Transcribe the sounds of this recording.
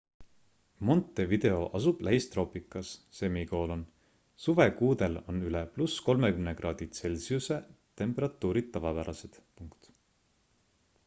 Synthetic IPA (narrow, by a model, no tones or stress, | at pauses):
mo̞nt̪ːˑe̞vid̪̥e̞o̞ʔɑsub̥læɦist̪ro̞ːpikːˑɑsːe̞miko̞ːlo̞n | suve̞kuːd̪e̞lo̞nyleplusko̞lme̞kymnekrɑːd̪̥it̪se̞lʲsiuse̞t̪e̞mpˑe̞ɾɑt̪ːˑuːɾid̪̥t̪ːɑvɑpæɾɑse̞d̪̥puŋkt̪